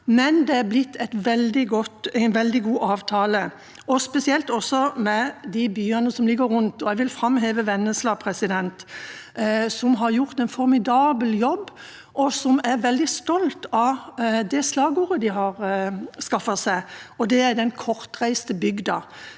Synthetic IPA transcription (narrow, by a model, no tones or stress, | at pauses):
mɛnd̪ɛæɾblɪt̪ʰːɛɪt̪ʋɛld̪ɪɡɔt̪æɪnʋɛld̪ɪɡuːʔɑːʋt̪ʰɑːlə | ɔspɛsɪɛlt̪ɔsːɔmɛd̪ɪbyːɑnəsɔmlɪɡəɾɾʊnt̪ɔɛʋɪlfɾɑmɦeːʋəʋɛnːəslɑːpʰɾɛsɪd̪ɛnt̪ | sɔmɦɑɾjʊʁt̪ɛɪnfɔɾmɪd̪ɑːbəljɔbː | ʔɔsɔmæɾʋɛld̪ɪst̪ɔlt̪ɑd̪ɛslɑːɡuːɾəd̪ɪɦɑɾskɑfɑsæɪɔd̪ɛæɾd̪ɛnkʰɔɾt̪ɾæɪst̪əbʏɡd̪ɑ